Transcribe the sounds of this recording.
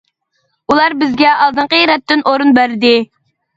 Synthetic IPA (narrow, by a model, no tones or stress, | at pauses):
ulˠɑɾbɪzɡʲɛɑlˠd̪ɨɴqəjɾɛt̪ːɪnʔoɾunbæɾd̪ɪ